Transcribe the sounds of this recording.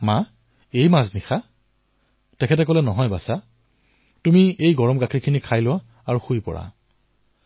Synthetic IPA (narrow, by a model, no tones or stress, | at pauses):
ma | ejmaznixa | tɛkʰɛtɛk̬ɔlɛnɔɦɔjbasa | tumiejɡɔɹɔmɡakʰikʰinikʰajlʊwa | aɹuxujpɔ̰ɹa̰